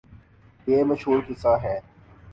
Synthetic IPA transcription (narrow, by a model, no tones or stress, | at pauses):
jeːmɐʃɦuːɾkɪsaɦɛː